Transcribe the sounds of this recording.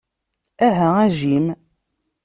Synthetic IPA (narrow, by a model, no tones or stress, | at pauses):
æɦææʒim